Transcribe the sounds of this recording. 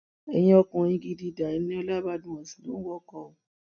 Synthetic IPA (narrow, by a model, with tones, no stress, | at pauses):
ɛ̰˧jĩ˦ɔ˧kũ˧˨ĩ˧ɡi˧di˧da˨i˨˦nĩ˦ɔ˧la˦ba˦dũ˧˦ɔ̃˨sĩ˨lõ̰˨˦wɔ˦kɔ˧˨u˨